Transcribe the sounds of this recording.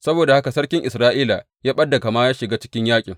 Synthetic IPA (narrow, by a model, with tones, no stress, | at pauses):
sɐ˦boː˨da˨ha˦ka˨sɐ˦rkʲɪ˦ŋʔɪ˨sɾaː˦ʔiː˦la˨ | jaː˦ɓɐ˦dːa˨ɡa˨maː˦jaː˦ʃɪ˨ɡaː˦t͡ʃɪ̥˦kʲɪ˦ɲjaː˦kʲʼɪ˨ŋ